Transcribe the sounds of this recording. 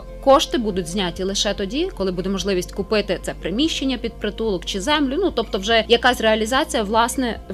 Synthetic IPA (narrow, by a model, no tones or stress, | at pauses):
kɔʃt̪ɪbud̪ʊtʲzʲnʲatʲilˠɪʃɛt̪ɔdʲikɔlˠɪbud̪ɛmɔʒlˠɪʋʲisʲtʲkʊpɪt̪ɪt̪sɛpɾɪmʲiʃt͡ʃenʲːɐpʲid̪̚pɾɪt̪ulˠɔkt͡ʃɪzɛmlʲʊnut̪ɔpt̪ɔwʒɛjɐkɑsʲreɐlʲizɑt͡sʲijɐʋlˠɑsnɛ